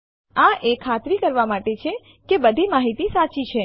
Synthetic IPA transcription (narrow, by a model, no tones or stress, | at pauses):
ãʔekʰːat̪ɾikəɾʋamaʈet͡ʃʰe | kebəd̪ʱimaɦit̪isat͡ʃit͡ʃʰe